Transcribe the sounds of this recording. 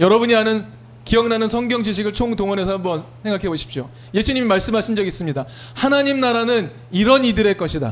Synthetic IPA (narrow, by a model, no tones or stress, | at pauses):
jʌɾʌbuɲiɦanɯn | kijʌŋnanɯnsʰʌŋɡjʌŋd͡ʑiɕ̬ʰiɡɯɭt͡ɕʰoŋtoŋʌnɦe̞sʰʌɦambʌnsʰe̞ŋɡakʰe̞boɕʰi̥p̚ɕ͈o | je̞sʰuɲimimaɭs͈ɯmɦaɕʰind͡ʑʌɡis͈ɯmɲida | hanaɲimnaɾanɯn | iɾʌnidɯɾe̞k͈ʌɕʰida̰